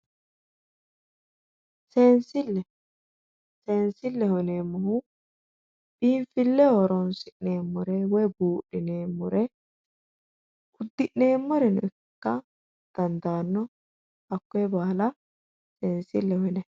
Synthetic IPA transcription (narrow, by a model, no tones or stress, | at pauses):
se̞ːnsɪlːɛ | se̞ːnsɪlːɛhɔneːmːɔhʊ | b̥iːɱfɪlːɛhɔɾɔnsɪʔneːmːɔɾɛwɔjbuːʔɪneːmːɔɾɛ | ʊd̪ːɪʔneːmːɔɾɛnʊ̰ɪkːɐ | d̪̥ɐnd̪aːnːɔ | ɐkːɔjɛbaːlɐ | seːnsɪlːɛhɔnɛ